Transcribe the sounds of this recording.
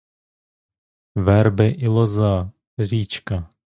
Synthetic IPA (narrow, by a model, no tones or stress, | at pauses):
vɛɾbɛʔɪloza | ɾiːt͡ʃka